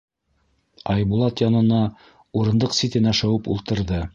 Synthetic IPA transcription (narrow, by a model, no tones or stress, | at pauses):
ɑjbulˠɑt̪jɑnɤ̆nɑ | uɾɤ̆nd̪ɤqsit̪ɘ̆næʃæwɘpṵlˠt̪ɤ̆ɾðɤ